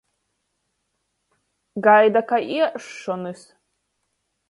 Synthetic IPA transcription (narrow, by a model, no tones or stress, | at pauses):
ɡajd̪akʰaʔiʂʂonɨs